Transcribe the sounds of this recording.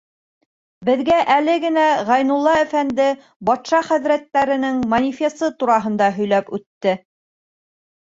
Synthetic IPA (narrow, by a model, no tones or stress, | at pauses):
bɘ̆ðɡæʔælɘɡɘ̆næʁɑjnulˠːɑæfænd̪ɘ | bɑt̪ʃɑχæðɾæt̪ːæɾɘ̆nɘŋmɐnʲifʲest̪ɤt̪uɾɑɦɤ̆nd̪ɑɦɵ̆jlæpʉt̪ːɘ